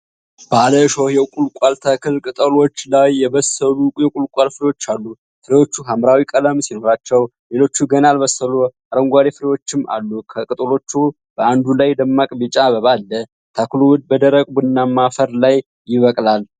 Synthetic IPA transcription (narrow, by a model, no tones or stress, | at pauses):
b̥aləʃohjɛkʼulkʷʼalt̪ʰakʰɨlkʼɨt̪ʼəlo̞t͡ʃːlajːɛβəsəlujɛkʼulkʼalfɨɾewo̞t͡ʃːalːu | fɨɾewo̞t͡ʃːuɦamɾawikʼələmsino̞ɾat͡ʃːɛw | le̞lo̞t͡ʃːuɡənalβəsːəluaɾəŋɡʷaɾefɨɾewo̞t͡ʃːɪma̰lːukʰəkʼɨt̪ʼəlo̞t͡ʃːu | b̥əand̪ulajd̪əmːakʼbɨt͡ʃʼabəβalːə | t̪ʰakluwʊd̪̚bəd̪əɾəkʼbɨnːamafəɾlajː | ɪβəkʼlal